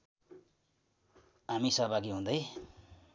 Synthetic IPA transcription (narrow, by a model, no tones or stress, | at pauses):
ɦamisʌɦbʱaɡiɦũnd̪ʌj